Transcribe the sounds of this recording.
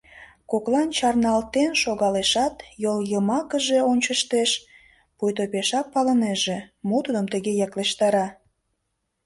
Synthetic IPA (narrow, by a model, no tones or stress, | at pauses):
koklɑnt͡ɕɑrnɑlt̪enʃoɣɑleʃɑt̪joljəmɑkəʒe̽onʲt͡ɕəʃt̪eʃ | pujt̪opeʃɑppːɑləneʒemot̪ud̪əmt̪əɣejɑkleʃt̪ɑɾɑ